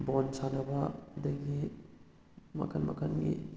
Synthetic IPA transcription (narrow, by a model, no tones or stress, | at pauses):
bɔnsanɐbadɐɡi | mɐ̰kʰɐnmɐ̰kʰɐnɡḭ